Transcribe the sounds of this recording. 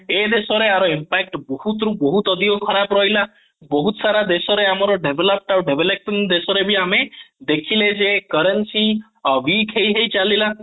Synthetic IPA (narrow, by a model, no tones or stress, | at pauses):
ed̪esɔɾeaɾɔimpak̚ʈbɔhut̪ɾubɔɦut̪ɔd̪iokʰɔɾabɾɔjla | bɔɦut̪ɔsaɾad̪esɔɾeamɔɾɔɖebʱelɔp̚ʈawɖebʱelek̚ʈind̪esɔɾebʱiamed̪ekʰiled͡ʒekəɾensi | wikʰɦejɦejt͡ʃalila